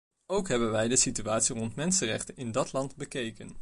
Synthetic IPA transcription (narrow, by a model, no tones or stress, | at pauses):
owkɦɛbənʋɛjdəsityaːtsirɔntmɛnsənrɛ̰χtənɪndɑtlɑntbəkejkən